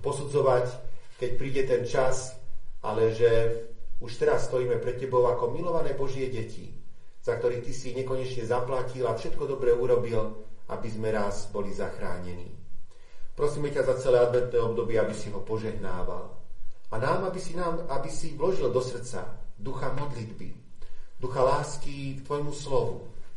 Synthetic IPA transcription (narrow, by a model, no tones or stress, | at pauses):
pɔsud͡zɔʋackɛc̚pɾiːɟɛt̪ɛnt͡ʃasʔa̰lɛʒɛuʃt̪ɛɾasːt̪ɔjiːmɛpɾɛt̪̚cːɛbɔʊakɔmilɔʋanɛːbɔʒɪɛɟɛcʰḭ | z̥akt̪ɔɾiːt̪isiɲɛkɔɲɛt͡ʃɲɛzaplacilafʃɛt̪kɔd̪ɔbɾɛuɾɔbilʔa̰bizmɛɾazbɔlizaxɾa̰ːɲɛnḭː | pɾɔsiːmɛcazat͡sɛlɛːad̪ʋɛt̪nɛːɔb̚d̪ɔbɪɛabisiɦɔpɔʒɛɦnaːʋa̰lanaːmabisinaːmabisiʋlɔʒild̪ɔsr̩t͡sa̰d̪uxamɔd̪lid̪bḭd̪uxalaːskikt̪ʋɔjmuslɔʋṵ